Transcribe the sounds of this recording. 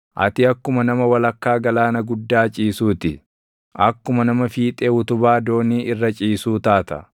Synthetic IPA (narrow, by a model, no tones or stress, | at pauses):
ʔɐ̰t̪ɪɐkːʊmɐnɐmɐwɐlɐkːaːɡɐlaːnɐɡʊd̪ːaːt͡ʃʼiːsuːt̪ɪ | ʔɐkːʊmɐnɐmɐfiːt̪ʼeːʊt̪ʊbaːd̪o̞ːniːʔɪrːɐt͡ʃʼiːsuːt̪aːt̪ɐ̰